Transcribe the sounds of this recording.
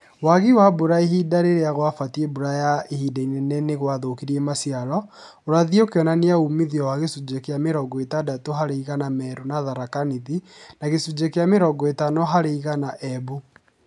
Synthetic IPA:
waɣiwaboɾaeɦidaɾeɾeaɣwafatieboɾajaehidainɛnɛneɣwaðokiɾiɛmasiaɾɔ | oɾaðiokeɔnaneaumiðiɔwaɣesud͡ʒekeameɾɔɡɔetadatoɦaɾeiɣanamɛɾonaðaɾakaniðinaɣesud͡ʒekeameɾɔɡɔetanɔɦaɾeiɣanaʔɛbu

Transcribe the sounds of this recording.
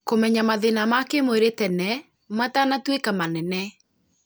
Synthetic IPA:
komɛɲamaðenamakemoeɾetɛnɛ | matanatwekamanɛnɛ

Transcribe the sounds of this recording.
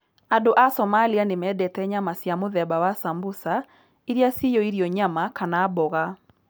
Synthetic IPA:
adoʔasɔmalianemɛːdɛtɛɲamasjamoðɛbawasambosa | iɾjasijɔiɾiɔɲamakanaːbɔɣa

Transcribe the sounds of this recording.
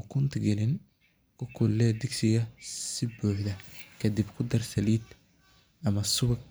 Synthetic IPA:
kʰʊnt̪ʰɐɡɛlɪn | kʰʊkʰʊlːɛːd̪ɪɡsɪɣɐsɪbuːħd̪ɐkʰɐd̪ibkʰʊd̪ɐrsɐliːd̪ | ʔɐmɐsʊβɐɡ

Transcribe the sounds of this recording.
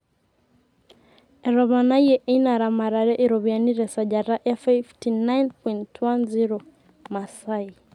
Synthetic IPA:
ɛɾɔβanajɛʔɛnaɾamaɾaɾɛʔiɾɔβianiɾɛsad͡ʒaɾaʔɛfaftinajnpɔjntwanziɾɔ | masai

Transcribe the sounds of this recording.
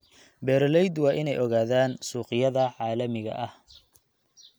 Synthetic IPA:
bɛːɾlɛjd̪wɑːʔɪnɛjʔɔɣaːðaːnsuːqɪjɐðɐʕaːlɐmɪɣɐ̰ʔɐh

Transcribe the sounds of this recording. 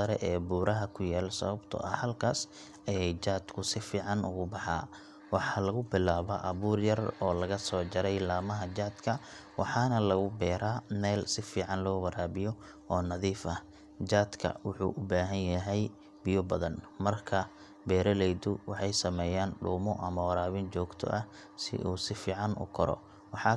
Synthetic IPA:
ɐɾɛʔɛːbuːɾɐɦɐkʰʊjaːlsɐ̰βɐbt̪ʰɔ̰ʔɐhɐlkʰaːs | ɐjɛjt͡ʃaːd̪̥kʰʊsɪfiːʕɑnʊ̰ɣʊbɑħɑ̰ː | wɑħɑːlɐɣʊbɪlaːβɐ̰ʔɐβuːrjɐrɔːlɐɣɐsɔːt͡ʃɐɾɛjlaːmɐɦɐd͡ʒaːd̪̥kʰɐwɑ̰ħɑːnɐlɐɣʊbɛːɾaːnɛːlsɪfiːʕɑnlɔːwɐɾaːβɪjɔ | ʔɔːnɐðiːfɐ | d͡ʒaːd̪kʰɐ̰wʊħṵːʔʊbaːɦɐnjɐɦɛj | b̥ɪjɔbɐðɐn | mɐrkʰɐ | bɛːɾɐlɛjd̪ʊwɑħɑjsɐmɛːjaːnɖṵːmɔʔɐmɐwɐɾaːβɪnt͡ʃɔːɡt̪ʰɔ̰ʔɐ | sɪ̰ʔuːsɪfiːʕɑnʔʊ̰kʰɔɾɔ̰ | wɑħɑː

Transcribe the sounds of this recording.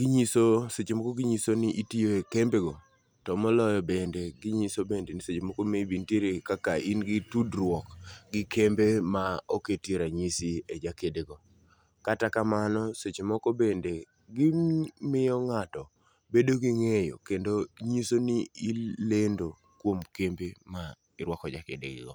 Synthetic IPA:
ɡiɲisoset͡ʃemɔkɔɡiɲisonɪʔitioekembeɡɔ | tɔmɔlɔjɔbendeɡɪɲisobendeniset͡ʃemɔkomebintjeɾekakaʔinɡɪtudɾwɔkɡɪkʰembemaoketjeɾaɲisied͡ʒakedeɡɔ | katakamanɔset͡ʃemɔkobende | ɡɪmɪjɔŋatɔ | bedoɡiŋejo̰kendoɲisoniilendo | kwomkembema | ɪɾwɔkɔd͡ʒakḛdḛɡɪ̰ɡɔ̰

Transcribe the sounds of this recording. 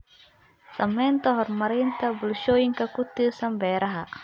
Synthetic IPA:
samɛnt̪ɔɦɔrmaɾint̪abulʃoiŋkakut̪isambɛɾaɦaʔ

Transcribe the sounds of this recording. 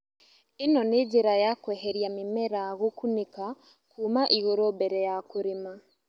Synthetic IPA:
inɔneɟiɾajakwɛːɦɛɾjamimɛɾaɣokunika | kuːmaʔiɣoɾobɛɾɛjakuɾima

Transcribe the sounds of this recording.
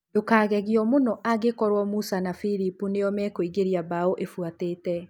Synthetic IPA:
dokaːɣɛɣjɔmonɔʔaɣekɔɾwɔmusanafiɾipuneɔmɛkoiɣeɾjabaoʔefwateːtɛ

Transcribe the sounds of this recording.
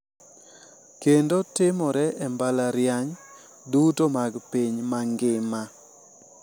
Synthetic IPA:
kendotɪmɔɾɛʔɛmbalaɾjaɲ | dutomaɡpiɲmaŋɡɪma

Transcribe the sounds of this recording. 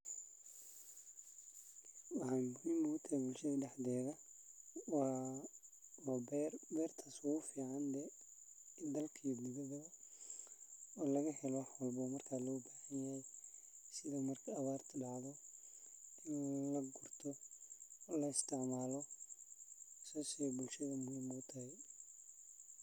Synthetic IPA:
wɑħɑːŋɡʊnɪnʊɣʊt̪ʰɐɛbʊlʃɐðɐɖɛħdɛːðɐ | wɑː | wbɛrbɛːrt̪ʰaːswɣʊfiːʕɑnd̪ɛ | d̪ɐlkʰiɡʊðɐðɐ | ɔːlɐɣɐhɛlɔħɔlbɔmɐrkʰaːlɔːbaːhɐnjɐhɛj | sɪðɐmɐrkʰɐːβaːrt̪ʰɐɗɑʕðɔ | ɪnlɐɡʊrt̪ʰɔ | lɐɪst̪ʰɪʕmaːlɔ | sɔːsɛbʊlʃɐðɐmʊhiːmɔʊt̪ʰɐhɛ

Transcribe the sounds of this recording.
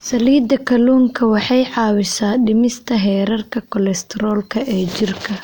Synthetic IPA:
sɐliːd̪ɐkʰɐluːŋkʰɐwɑħɑjʕɑːwɪsaːɖɪmɪst̪ʰɐɦɛːɾɐrkʰɐkʰɔlɛst̪ʰɛɾɔːlkʰɐʔɛːd͡ʒɪrkʰɐ

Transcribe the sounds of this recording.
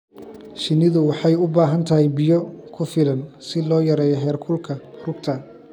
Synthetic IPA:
ʃɪnɪðʊwɑħɑjʊbaːɦɐnt̪ʰɐɦɛjbɪjɔkʰʊfɪlɐnsɪlɔːjɐɾɛːjɔɦɛːrkʰʊlkʰɐrʊɡt̪ʰɐ

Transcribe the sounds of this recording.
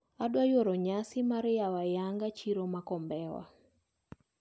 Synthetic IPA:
adwajoɾɔɲasɪmaɾjawajaŋɡat͡ʃiɾomakɔmbɛwa̰

